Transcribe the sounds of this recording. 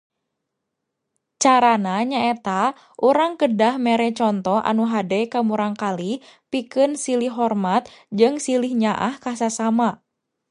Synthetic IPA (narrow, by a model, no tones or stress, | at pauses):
t͡ʃaɾanaɲaɛt̪a | ʔuɾaŋkədahmɛɾɛt͡ʃɔnt̪ɔʔa̰nuɦadɛkamuɾaŋkali | pikɨnsilihɦɔrmat̪̚d͡ʒɨŋsilihɲaʔa̰hkasasama